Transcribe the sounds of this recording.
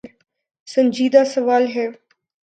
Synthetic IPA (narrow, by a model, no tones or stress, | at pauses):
ɾ | sɐ̃ɲd͡ʒiːd̪asɐʋaːlɦɛː